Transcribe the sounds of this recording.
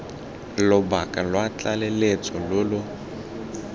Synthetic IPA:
lʊbakʼalwat͡ɬʼalelet͡sʼɔlolʊ

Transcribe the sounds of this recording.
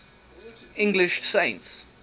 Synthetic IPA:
ɪ̃ŋɡlɪʃsẽɪ̃nts

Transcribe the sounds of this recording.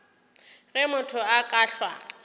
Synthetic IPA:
ɣɛmʊtʰʊakʼaɬwa

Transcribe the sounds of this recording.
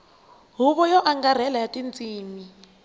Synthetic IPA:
ɦuβɔjɔʔaŋɡar̤ɛlajatʼint͡sʼiːmi

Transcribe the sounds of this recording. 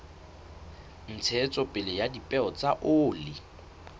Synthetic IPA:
n̩t͡sʰɛt͡sʼɔpʼɪlɪjadipʼɛɔt͡sʼaʔoːlɪ

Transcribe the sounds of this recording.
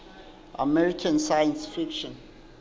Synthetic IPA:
ʔa̰mɛɹikʰãnsajə̃nsfikʃɔ̃n

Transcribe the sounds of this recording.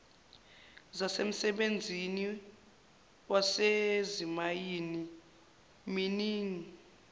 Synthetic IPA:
zasem̩sɛɓend͡zʱini | wasezimajini | miniːŋi

